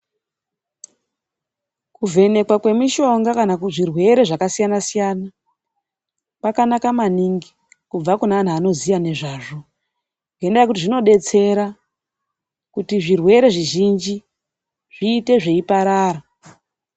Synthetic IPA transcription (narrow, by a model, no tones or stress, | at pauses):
kuve̞ne̞kwakwe̞miʃo̞ŋɡakanakuʐirwe̞ɾe̞ʐakasijanasijana | pakanakamaniŋɡi | kub͡vakunaːn̤uano̞zijane̞ʐaːʐo̞ | ŋɡendajak̬utiʐino̞ɗe̞t͡se̞ɾa | kutiʐirwe̞ɾe̞ʐiʒind͡ʒi | ʐiːte̞ʐe̞ipaɾaːɾa